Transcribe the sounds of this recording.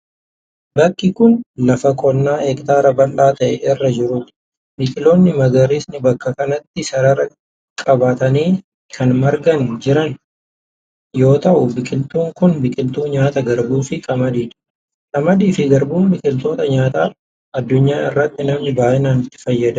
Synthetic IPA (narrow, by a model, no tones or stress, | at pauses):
bɐkːɪkʊnlɐfɐkʼɔnːaːɛkt̪aːɾɐbɐlɗaːt̪ɐʔɛʔɪrːɐd͡ʒɪɾʊt̪ | bɪkʼɪlo̞ːnːɪmɐɡɐɾiːsnɪbɐkːɐkɐnɐt̪ːɪsɐɾɐɾɐ | kʼɐbaːt̪ɐniː | kʰɐnmɐɾɡɐnd͡ʒɪɾɐn | jo̞ːt̪ɐʔʊbɪkʼɪlt̪uːŋkʊnbɪkʼɪlt̪uːɲaːt̪ɐɡɐɾbuːfɪkʼɐmɐd̪iːᶑ̪ | kʼɐmɐd̪iːfɪɡɐɾbuːmbɪkʼɪlt̪oːt̪ɐɲaːt̪aː | ʔɐd̪ːʊɲːaːɪrːɐt̪ːɪnɐmnɪbaːʔɪnaːnɪt̪ːɪ̥fɐjːɐd̪ɐ